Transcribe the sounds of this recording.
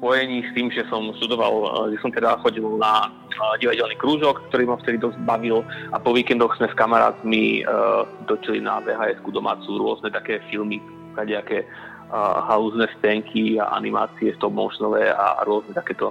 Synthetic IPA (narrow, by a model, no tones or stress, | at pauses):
spɔjɛɲiːst̪iːmʒɛsɔmʃt̪ud̪ɔʋa̰lʒɛsɔmt̪ɛd̪axɔɟilna | ɟiʋaɟɛlniːkɾuːʒɔkkt̪ɔɾimaft̪ɛd̪id̪ɔzɟ̚baʋilapɔʋiːkɛnd̪ɔɣz̥mɛskamaɾa̰ːt̪mḭ | d̪ɔt͡ʃilḭna̰ʋɛɦajɛt̪kud̪ɔma̰ːt͡suɾʊɔznɛt̪akɛːfilmi | kaɲɛakɛː | ɦaluznɛspɛŋkʰia̰ʔa̰nima̰ːt͡siɛft̪ɔmmːɔʊʃnɔʋɛa̰ɾʊɔznɛt̪ḁkɛːt̪ɔ